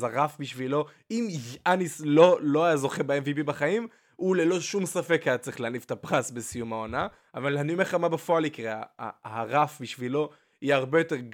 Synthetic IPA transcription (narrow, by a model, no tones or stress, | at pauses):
zaʁafbiʃvilo̞ | imanislo̞lo̞ajazo̞χebeeɱvipibaχaim | ule̞lo̞ʃumsafe̞kːajat͡sʁiχleanifet̪apʁasbesijumao̞na | avaleanumeχamabefo̞alikʁeaa̰aʁafbiʃvilo̞ | iaʁbejo̞t̪e̞ʁɡ